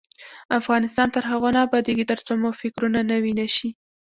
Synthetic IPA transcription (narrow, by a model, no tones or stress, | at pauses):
afɣɑnɪst̪ɑnt̪əɾɦaɣonɑbɑd̪eɡit̪əɾt͡somofɪkɾunanawinaʃi